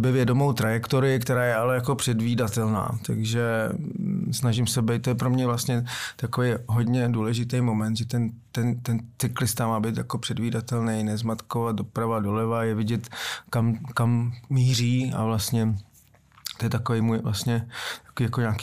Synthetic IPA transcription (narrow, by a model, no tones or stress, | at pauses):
bɛvjɛdomo̞wt̪ɾajɛkt̪oɾɪɪkt̪ɛɾaːjɛalɛjako̞pr̥ɛdviːdat̪ɛlna̰ːt̪aɡʒɛ | snaʒɪmsɛbɛjt̪̚t̪ːojɛpɾomɲɛvlast̪ɲɛt̪akovɛjɦo̞d̪ɲɛduːlɛʒɪt̪ɛjmo̞mɛnt̪ʒɛt̪ɛnt̪ɛnt̪ɛnt͡sɪklɪst̪amaːbejt̪jako̞pr̥ɛdviːdat̪ɛlnɛjnɛzmat̪kovat̪̚do̞pɾavadolɛvajɛvɪɟɛt̪kamkamːiːriːa̰vlast̪ɲɛ | t̪ojɛt̪akovɛjmuːjvla̰st̪ɲɛt̪ḁkoviːjakoɲaːki